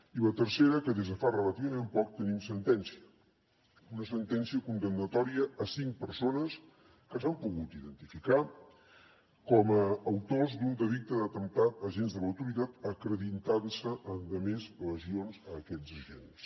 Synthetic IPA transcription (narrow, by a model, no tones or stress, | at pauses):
ilət̪əɾseɾəkəðezðəfarələt̪iβəmempɔk̚t̪ənimsənt̪ɛnsiə | unəsənt̪ɛnsiəkunt̪ənːət̪ɔɾiəːsiŋk̚pəɾsonəs | kəzampuɣut̪iðənt̪ifika | kɔməːwt̪ozd̪und̪əðik̚t̪əðət̪ənt̪at̪əʒenzðələwt̪uɾit̪at̪əkɾəðint̪ansəʔənd̪əmezləzionzəːkɛd͡zəʒens